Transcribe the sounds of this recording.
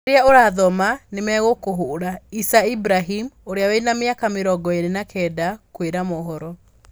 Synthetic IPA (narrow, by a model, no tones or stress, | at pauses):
ɾeaoɾaðɔmanemɛɣokoɦoɾaisaibɾaɦimoɾeawɛinameakameɾɔɡɔeɾenakʰɛːdakweɾamoɦɔɾɔ